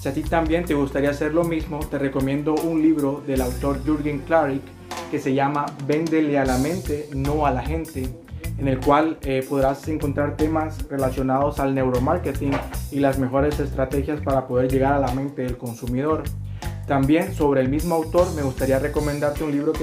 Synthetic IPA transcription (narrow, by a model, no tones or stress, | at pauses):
siat̪it̪ambje̞nt̪e̞ɣust̪aɾiase̞ɾlo̞mizmo̞t̪e̞re̞ko̞mjẽ̞nd̪o̞unliβɾo̞ðe̞lawt̪o̞ɾʝuɾɣiŋklaɾikː | e̞se̞ʝamaβe̞nd̪e̞le̞alamẽ̞nt̪e̞no̞alaxe̞nt̪eː | ne̞lkwalepo̞ðɾase̞ŋko̞nt̪ɾaɾt̪e̞masre̞lasjo̞nað̞o̞salne̞wɾo̞maɾket̪iŋilazme̞xo̞ɾe̞se̞st̪ɾat̪e̞xjaspaɾapo̞ð̞e̞ɾʝe̞ɣaɾalamẽ̞nt̪e̞ðe̞lko̞nsumiðo̞ɾ | t̪ambje̞nso̞βɾe̞ːlmizmo̞awt̪o̞ɾme̞ɣust̪aɾiare̞ko̞mẽ̞nd̪aɾt̪eunliβɾo̞k